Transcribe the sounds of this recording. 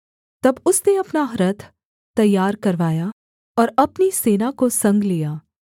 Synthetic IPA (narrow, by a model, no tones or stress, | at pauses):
t̪ɐbʊsneɐpnaɦɾɐt̪ʰ | t̪ːɐjːaːɾkɐɾʋaːja | ɔːɾɐpniseːnakosɐ̃ŋɡlijaː